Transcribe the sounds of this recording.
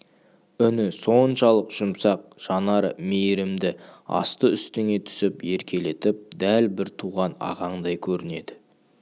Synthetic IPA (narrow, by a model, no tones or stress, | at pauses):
ʏnɪso̞nʃɑlˠəqʒ̥ʊmsɑq̚ʒ̥ɑnɑɾə̰mejɾɪmd̪ɪɑ̰st̪əʏst̪ɪŋe̞t̪ʰʏ̥sɪpje̞ɾkʲe̞le̞t̪ɪp̚d̪ælbɪɾt̪ʰuʁɑnɑ̰ʁɑɴd̪ɑjkʲʰɵɾɪne̞d̪ɪ